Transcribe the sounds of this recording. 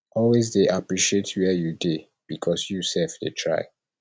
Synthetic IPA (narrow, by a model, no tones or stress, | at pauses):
ɔlwezdeʔapɹiʃietʰwɛjude | b̥ikʰɔsjusɛlfdetʰɹa̰ɪ